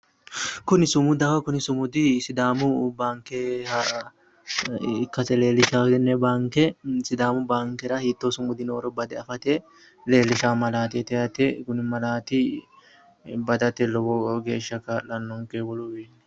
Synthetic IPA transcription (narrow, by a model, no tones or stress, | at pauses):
kʊnɪsʊmʊd̪ɐwɐkʊnɪsʊmʊd̪ɪsɪd̪aːmʊbaːŋkɛhɐ | kːɐsɛle̞ːlɪʃaːɡɛnːɛbaːŋkɛsɪd̪aːmʊbaːŋkɛɾɐhiːt̪ːosʊmʊd̪ɪnoːɾɔbɐd̪ɛɐfɐt̪ɛ | leːlːɪʃaːmɐlaːt̪ɛt̪ɛjɐt̪ɛkʊnɪmɐlaːt̪ɪ | bɐd̪ɐt̪ɛlɔwɔɡe̞ːʃːɐkɐlɐnːɔŋkewɔlɔbeːnːɛ